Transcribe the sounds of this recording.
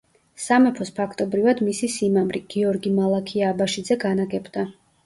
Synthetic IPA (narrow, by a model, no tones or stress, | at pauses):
samɛpʰɔspʰakʰt̪ʼɔbɾivad̪misisimamɾiɡ̥iɔɾɡimalˠakʰiaːbaʃid̪zɛɡanaɡɛbd̪a